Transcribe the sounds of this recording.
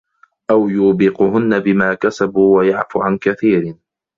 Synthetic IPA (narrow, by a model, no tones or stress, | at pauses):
ʔawjuːbiːqʊɦʊnːabɪmaːkasabuːwajaʕfuːʕankaθiːɾɪ